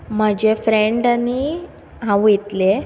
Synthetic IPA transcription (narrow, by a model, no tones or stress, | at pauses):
m̤əd͡ʑefɾeɳɖani | ɦãʋit̪le